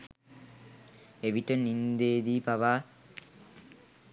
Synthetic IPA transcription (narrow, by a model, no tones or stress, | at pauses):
eʋiʈənind̪eːd̪iːpaʋaː